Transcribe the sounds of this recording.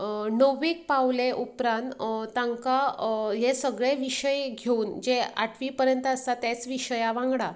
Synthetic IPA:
nəʋik̚paʋleʔupɾãnt̪t̪ːãŋkaɦesəɡɭeʋiɕəjɡʱeuːnd͡ʑea̰ʈʰʋipəɾjənt̪əst̪at̪et͡sʋiɕəjaʋãŋɡɽa

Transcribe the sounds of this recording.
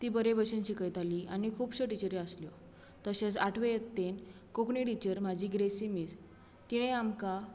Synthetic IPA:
t̪iːbəɾebəɕenɕikəjt̪aliʔañikʰuːbɕəʈit͡ɕəɾeəsljɔ | t̪əɕet͡saʈʰʋejet̪ːen | kokɳiʈit͡ɕəɾm̤ad͡ʑʱiɡɾesimit͡s | t̪iɽ̃ẽamka

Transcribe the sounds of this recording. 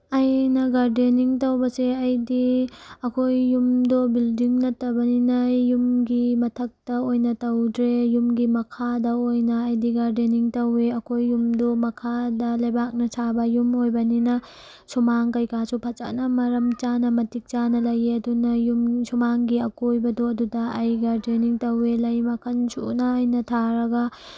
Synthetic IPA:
ɐjnɐɡaɾdeniŋtɐwbɐseɐjdiɐkʰojːumdobildiŋnɐtːɐbɐninɐjumɡimɐtʰɐk̚tɐojnɐtɐwdɾejumɡimɐkʰadɐojnɐːjdiɡaɾdeniŋtɐweɐkʰojːumdomɐkʰadɐlɐjbak̚nɐt͡ʃʰabɐjumojbɐninɐ | sumaŋkɐjkasupʰɐt͡ʃa̰nɐmɐɾɐmt͡ʃanɐmɐtik̚t͡ʃanɐlɐjeɐdunɐjumsumaŋɡiɐkojbɐdoɐdudɐɐjɡaɾdeniŋtɐwelɐjmɐkʰɐnsṵnɐːjnɐtʰaɾɐɡɐ

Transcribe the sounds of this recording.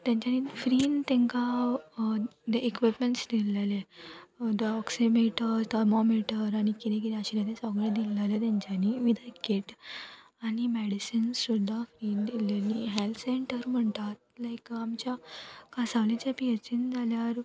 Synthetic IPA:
t̪jãɲt͡ɕanifɾiːnt̪ɛ̃ŋka | d̪eʔekʋipmeɳʈsd̪ilele | d̪əɔksimeʈət̪amɔmiʈəɾaɽ̃ikit̪ẽk̬it̪ɛ̃əɕit̪ad̪ẽsɔɡɭẽd̪ilːalet̪jãɲt͡ɕaniʋid̪ʱakːeʈ | aɽ̃imɛɽisənssud̪ʱːafɾiːnd̪ileniɦɛlseɳʈəɾm̤əɳt̪at̪̚lajkamt͡ɕjakasaʋlẽt͡ɕapiɦet͡ɕind͡zʱaljaɾ

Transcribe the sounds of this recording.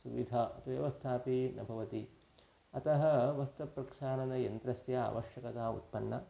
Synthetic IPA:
suʋid̪ʱaɐ̰t̪ʰuʋjɐ̰ʋɐst̪ʰaːpinɐbʱɐʋɐt̪i | ɐt̪ɐɦɐ̆ʋɐst̪ɐpɾɐkʂaːnɐnɐjɐnt̪ɾɐsjɐa̰ːʋɐʃjɐkɐt̪aːṵt̪̚pɐnːɐ̰

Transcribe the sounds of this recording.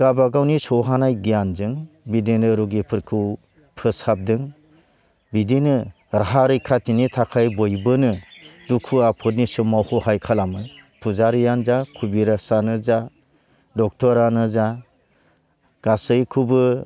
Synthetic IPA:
ɡabaɡawnisɔɦanajɡijanzɯŋbidinɯɾuɡipʰɯɾkʰɯw | pʰɯsap̚dɯŋ | bidinɯ | ɾaɦaɾɯjkʰatinitʰakʰajbɔjbɯnɯdukʰuapʰɯt̚nisɯmːawhɔhajkʰalamɯpʰuzaɾijanzakʰubiɾasanɯza | dɔk̚tʰɔɾanɯza | ɡ̥asɯjkʰubɯ

